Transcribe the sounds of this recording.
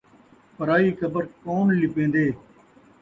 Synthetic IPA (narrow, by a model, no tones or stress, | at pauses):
pəɾaːiːkʰəbəɾkoːnlɪpẽːnd̪eː